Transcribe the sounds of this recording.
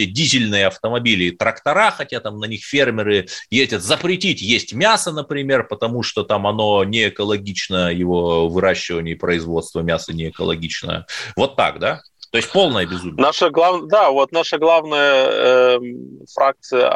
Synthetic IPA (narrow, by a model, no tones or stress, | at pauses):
edʲizʲɪlʲnɨjəɐft̪əmɐbʲilʲɪːt̪ɾəkt̪ɐɾaxɐtʲat̪amnɐnʲixfʲe̞rmʲɪɾɨjezʲdʲət̪zəpɾʲɪtʲitʲjesʲtʲmʲasənəpɾʲɪmʲe̞rpət̪ɐmuʂt̪o̞t̪amɐno̞nʲɪːkəlˠɐɡʲit͡ɕnəjɪvo̞vɨɾaɕːɪvənʲɪɪpɾəɪzvo̞t̪st̪vəmʲasənʲɪːkə̰lˠɐ̰ɡʲit͡ɕnə̰jə̰vo̞t̪ːa̰kd̪a | t̪o̞jɪsʲtʲpo̞lˠnəjəbʲɪzumʲnaʂəɡlˠavd̪avot̪̚naʂəɡlˠavnəjə | fɾak̚t̪sɨjə̰